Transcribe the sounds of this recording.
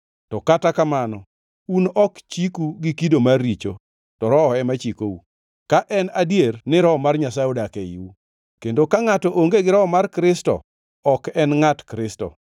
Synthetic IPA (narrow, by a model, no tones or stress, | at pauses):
tɔkatakamanɔ | unɔkt͡ʃikuɡikidomarːit͡ʃo̰ | tɔɾɔɔɛmat͡ʃikou | kaʔɛnadjernɪɾɔɔmarɲasaudakeḭwu | kendokaŋatɔʔoŋɡeɡɪɾɔɔmarkɾɪstɔ̰ | ɔkɛnŋatkɾɪstɔ̰